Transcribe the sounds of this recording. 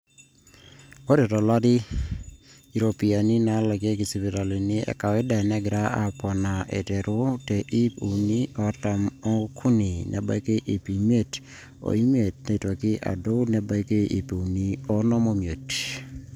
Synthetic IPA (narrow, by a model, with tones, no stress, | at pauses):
o˦ɾe˨tɔ˨la˦dɪ˦ | i˨ɾo˨pi˨a˨nɪ˦na˨˦la˨ɡe˦ɡi˨si˨bi˨ɾa˨li˨nɪ˦ɛ̰˨ka˨wɛ˦da˨nɛ˦ɡɾa˦a˦pɔ˨na˨ʔɛ̰˨tɛ˨ɾʊ˦te˨ʔi˦pu˨ni˦ɔ˨ta˨mɔ˦kʰu˦ni˨nʔɛ̰˨ba̰˦ke˦ʔi˨pi˨m˦e˦˨t | o̰˨i˦me˨t̚ne˨to˨kɪ˦ʔa̰˨do˦nɛ˨ba˦ke˦ʔḭ˨pe˨u˨ni˦ɔ˦nɔ˦mo˦mje˨t